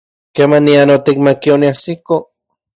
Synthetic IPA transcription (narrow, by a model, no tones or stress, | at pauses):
kemanːianot̪ik̚makioniasiko